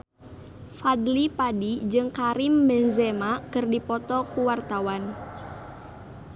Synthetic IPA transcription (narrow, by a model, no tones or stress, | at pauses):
fad̪lipadid͡ʒɨŋkaɾimbɛnzɛmakɨrdipɔt̪ɔkuwart̪awan